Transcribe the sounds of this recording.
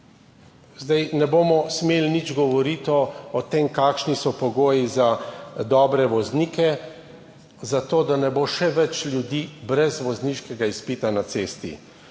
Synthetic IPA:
zd̪ajnɛboːmɔsmeːlinid͡ʒɡɔʋɔɾiːt̪ɔɔt̪emkaːkʃnisɔpɔɡoːjizad̪ɔːbɾɛʋɔzniːkɛ | zat̪oːd̪anɛboʃɛʋɛt͡ʃlʲjud̪iːbɾɛzʋɔzniʃkɛɡaispiːt̪anat̪seːst̪ḭ

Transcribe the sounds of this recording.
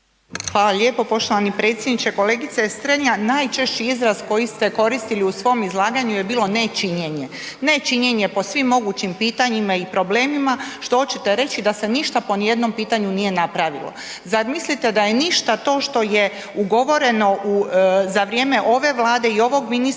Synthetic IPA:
xʋaːlaʎʲe̞po̞po̞ʃt̪o̞ʋanipɾe̞t̪sʲje̞d̪nit͡ɕe̞ko̞leːɡit̪sest̪ɾeɲanaːjt͡ʃe̞ʃt͡ɕiizɾasko̞jist̪e̞ko̞ɾist̪iliusʋo̞mizlˠaːɡaɲuje̞biːlo̞ne̞t͡ʃiɲe̞ɲe̞ | ne̞t͡ʃiɲe̞ɲe̞po̞sʋimːo̞ɡuːt͡ɕimpiːt̪aɲimaipɾo̞ble̞ːmimaʃt̪oot͡ɕet̪e̞ɾe̞t͡ɕid̪ase̞niʃt̪apo̞nije̞d̪no̞mpiːt̪aɲunije̞napɾaʋḭlˠo̰ | zaɾmislit̪e̞d̪aje̞niʃt̪at̪o̞ːʃt̪o̞je̞ | uɡo̞ʋo̞ɾe̞no̞ʔuzaʋɾʲje̞ːme̞ʔo̞ʋe̞ʋlˠaːd̪e̞io̞ʋo̞ɡminis

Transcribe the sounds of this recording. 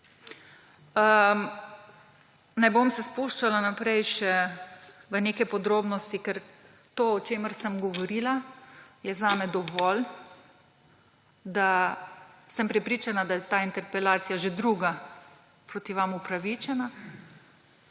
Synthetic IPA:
ə | najbomsɛspuʃt͡ʃalanapɾɛjʃɛ | ʋəneːkɛpɔd̪ɾoːbnɔst̪ikɛɾ | t̪oːɔt͡ʃeːməɾsəmɡɔʋɔɾiːlajɛzaːmɛd̪ɔʋɔl | d̪a | səmpɾɛpɾiːt͡ʃanad̪ajɛt̪aːint̪ɛɾpɛlaːt̪sijaʒed̪ɾuːɡa | pɾot̪iʋamupɾaʋit͡ʃɛna

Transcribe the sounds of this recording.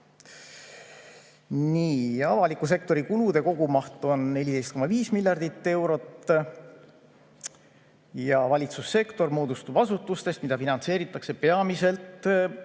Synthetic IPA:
niːɑvɑlikːˑus̬e̞k̚t̪o̞ɾikulud̪̥e̞ko̞ɡ̥umɑht̪ˑo̞nne̞lʲid̪e̞jst̪ko̞mːɑviːsmiljɑrd̪̥it̪ːe̞wɾo̞t̪ | jɑvɑlʲit̪susːe̞kt̪o̞rmo̞ːd̪ust̪ub̥ɑsut̪ːˑust̪e̞st̪̚mid̪̥ɑfinɑnse̞ːɾit̪ːˑɑkse̞pe̞ɑmise̞lt̪

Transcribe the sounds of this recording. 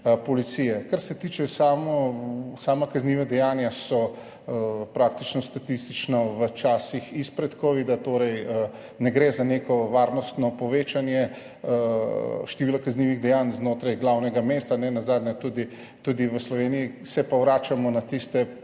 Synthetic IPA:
pɔlit̪sijɛkaɾsɛt̪iːt͡ʃɛsaːmɔsaːmakazniʋad̪ɛjanjasɔ | pɾaːk̚t̪it͡ʃnɔst̪at̪ist̪it͡ʃnɔʋət͡ʃaːsixispɾɛt̪koːʋid̪at̪oɾɛjə | nɛɡɾeːzanekɔʋaːɾnɔst̪nɔpɔʋeːt͡ʃanjɛ | ʃt̪ɛʋiːlakazniʋiɣd̪ɛjanznoːt̪ɾajɡlawnɛɡameːst̪anɛnazaːd̪njɛt̪ud̪i | t̪ud̪iʋəslɔʋeːnijisɛpɔwɾaːt͡ʃamɔnat̪ist̪ɛ

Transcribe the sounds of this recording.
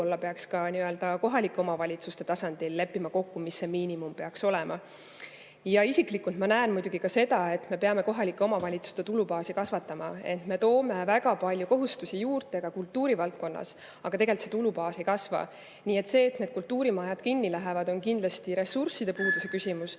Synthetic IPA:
olːɑpe̞ɑkskɑniø̞ld̪ɑko̞ɦɑlikːˑeo̞mɑvɑlʲit̪sust̪e̞t̪ɑsɑnd̪̥ilːe̞pːimɑko̞kːumisːe̞miːnʲimumpe̞ɑkso̞lɛmʔɑ | jɑisiklikːˑult̪mɑnæenmujd̪uɡ̥ikɑse̞d̪̥ɑe̞t̪me̞pe̞ɑme̞ko̞ɦɑlikːˑeo̞mɑvɑlʲit̪su̥st̪e̞t̪ulupɑːsikɑsvɑt̪ːˑɑmɑ̰et̪ːme̞t̪o̞ːme̞væɡɑpɑlʲjuko̞ɦust̪usijuːrt̪ˑe̞ɡ̥ɑkult̪ːuːɾivɑlt̪̚ko̞nːɑ̰s | ɑɡ̥ɑt̪e̞ɡe̞lt̪se̞t̪ulupɑːsejkɑsvɑ̰ | niːe̞t̪se̞ːt̪ne̞d̪̥kult̪ːuːɾimɑjɑd̪kinːilæɦevɑd̪o̞nkind̪lɑst̪iɾe̞sursid̪̥e̞puːd̪use̞kysʲimus

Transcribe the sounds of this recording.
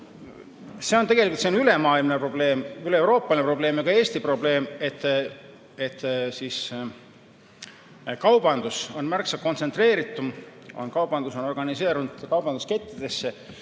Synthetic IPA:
se̞o̞nt̪e̞ɡelikult̪seonyle̞mɑːilmnepro̞b̥le̞ːmylewɾo̞ːpːˑɑlinepro̞b̥leːmɑɡɑe̞ːst̪ipro̞ble̞ːme̞t̪ːˑ | et̪ːˑsis | kɑwb̥ɑnd̪̥uso̞nmærksɑ̥ko̞nt̪se̞nt̪re̞ːɾit̪ːˑumo̞̰nkɑwb̥ɑnd̪uso̞no̞rɡɑnise̞ːɾund̪̥kɑwb̥ɑnd̪uske̞t̪ːˑid̪̥e̞sːe

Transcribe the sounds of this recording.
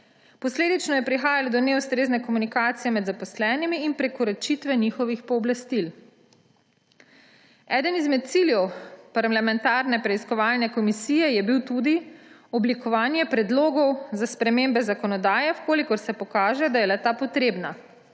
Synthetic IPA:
pɔsleːd̪it͡ʃnɔjɛpɾixaːjalɔd̪ɔnɛust̪ɾeːznɛkɔmunikaːt̪sijɛmɛd̪zapɔslɛːnimiːnpɾɛkɔɾɔt͡ʃit̪ʋɛnixɔʋixpɔːblast̪il | ɛːd̪ənizmɛt̪̚t̪siljɛwpaɾlamɛnt̪aːɾnɛpɾɛiskɔʋaːlnɛkɔmisiːjɛjɛbiwt̪ud̪iɔblikɔʋaːnjɛpɾɛd̪loːɡɔwzaspɾɛmeːmbɛzakɔnɔd̪aːjɛwkoːlikɔɾsɛpɔkaːʒɛd̪ajɛlɛt̪apɔt̪ɾeːbna

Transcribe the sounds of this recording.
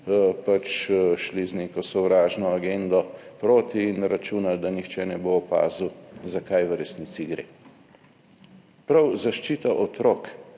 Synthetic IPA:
pat͡ʃʃlizneːkɔsɔwɾaːʒnɔaɡend̪ɔpɾoːt̪iːnɾat͡ʃuːnad̪anixt͡ʃɛnɛboːpa̰ːzuzakajʋəɾɛsniːt̪siɡɾḛː | pɾawzaʃt͡ʃiːt̪aʔɔt̪ɾok

